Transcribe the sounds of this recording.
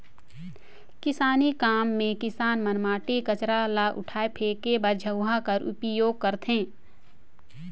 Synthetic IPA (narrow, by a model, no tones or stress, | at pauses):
kɪsaːnikaːmːẽkɪsaːnmənmaːʈekət͡ʃɾalaʔʊ̰ʈʰaːepʰeːkebəɾd͡ʒʱəʊɦakɐɾʔʊ̰pjoːɡ̚kəɾt̪ɦẽː